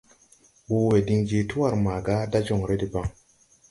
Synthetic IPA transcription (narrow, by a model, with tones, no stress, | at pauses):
bu˦we˨di˧ŋd͡ʒi˦tu˦wa˦˨ɾma˨ɡa˦da˦d͡ʒɔ˨ŋɾe˦di˨ba˦ŋ